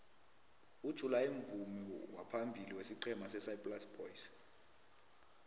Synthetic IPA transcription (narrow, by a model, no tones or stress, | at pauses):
ud̥ʒ̥ʱulaeɱvumiwapʰambʱiliwesiǃɛmasɛsaipʼlasb̥ɔjs